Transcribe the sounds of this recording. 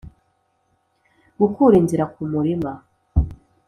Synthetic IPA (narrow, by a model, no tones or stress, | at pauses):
ɡukuɾiːnziɾakumuɾima